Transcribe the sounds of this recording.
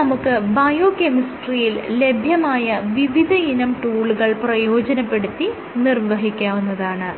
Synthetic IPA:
ɐmukːɨbɐjoːkemisʈrijille̞bʱjɐmaːjɐʋiʋid̪ʱɐinɐmʈuːɭuɣɐɭprɐjo̞ːd͡ʑɐnɐpːe̞ɽut̪ːi | nirʋɐɦikʲːaːʋunːɐðaːɳɨ

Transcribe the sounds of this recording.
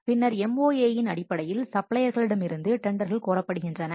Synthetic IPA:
pɪnːɐɾɛmoːeːjɪnɐɽɪpːɐɽɐjɪlsɐpɭɐjɐɾɣɐɭɪɽɐmɪɾɯnd̪ɯʈɛɳɖɐɾɣɐɭkoːrɐpːɐɽɯɣɪndrɐnɐ

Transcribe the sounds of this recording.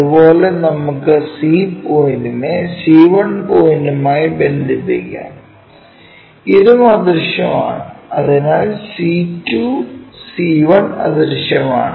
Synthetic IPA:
ɐupo̞ːle̞nɐmukːɨsiːpoːjndumesiːʋɐɳpoːjndumaːjibe̞nd̪ʱipːḭkʲːa̰ːm | iðumɐd̪ɐrʂjɐma̰ːɳɨɐðinaːlsiːtːusiːʋɐɳɐ̰d̪ɐɾʂjɐma̰ːɳɨ

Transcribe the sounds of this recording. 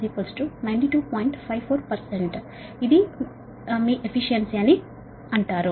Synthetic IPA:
piːpɐlsʈunɐjnɳʈiʈuːpɔːjiɳʈpʰajʋpʰoːɾpɐɾseɳʈ | id̪i | miːʔepʰiʃiɐnsiɐni | ɐɳʈaːɾu

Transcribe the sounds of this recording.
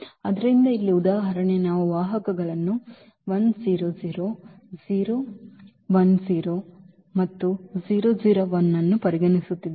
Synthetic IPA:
ɐd̪ɐɾɾind̪ɐilːiud̪aːɦɐɾɐɳenaːʋuʋaːɦɐkɐɡɐɭɐnːu | ʋɐnziːɾoziːɾo | ziːɾoː | ʋɐnziːɾo | mɐt̪ːuziːɾoːd͡ʒiːɾoʋɐnːɐnːupɐɾiɡɐɳisut̪ːid̪i

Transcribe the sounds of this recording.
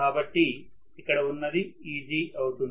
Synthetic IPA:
aːbɐʈːi | ikːɐɽɐʋunːɐd̪iiːd͡ʒiʔɐwut̪un

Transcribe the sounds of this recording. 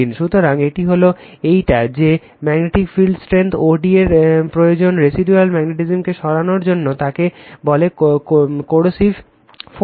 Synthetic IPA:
inʃut̪oɾaŋeʈiɦolo | ejʈad͡ʑe | mɛɡneʈikfilɖsʈɾent̪ʰoɾɖieɾpɾojod͡ʑonɾesiɖualmɛɡneʈizemkeʃɔɽanoɾd͡ʑonːot̪akebɔle | koɽosif | f

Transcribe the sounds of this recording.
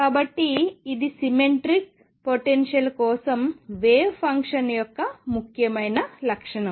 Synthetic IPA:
kaːbɐʈːiːd̪isimeɳʈɾik̚ | poʈenʂɐlkɔːsɐmʋeːʋpʰɐŋkʂɐnjɔkːɐmukʰjɐmɐjnɐlɐkʂɐɳɐm

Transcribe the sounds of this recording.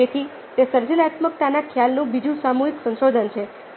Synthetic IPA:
et̪ʰi | t̪esəɾd͡ʒənat̪mək̚t̪anakʰjalnũbid͡ʒũsamuɦiksə̃nʃod̪ʱənt͡ʃʰe

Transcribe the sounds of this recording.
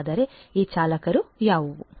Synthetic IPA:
d̪ɐɾeiːt͡ʃaːlɐkɐɾujaːʋu

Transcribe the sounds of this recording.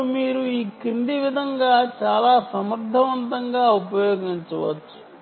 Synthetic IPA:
miːɾuiːkind̪iʋid̪ʱɐŋɡaːt͡ʃaːlaːsɐmɐɾd̪ʱːɐʋɐnt̪ɐŋɡaːupɐjoːɡiɲt͡ʃɐʋɐ̰t͡ʃːu̥

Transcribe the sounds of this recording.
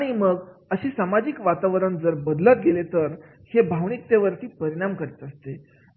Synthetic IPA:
aɽ̃iməɡəɕiːsamad͡ʑikʋat̪aʋɾəɳd͡zəɾbəd̪lət̪̚ɡelet̪əɾ | hebʱaʋɳik̚t̪eʋəɾt̪iːpəɾiɽ̃amkəɾet̪əst̪e

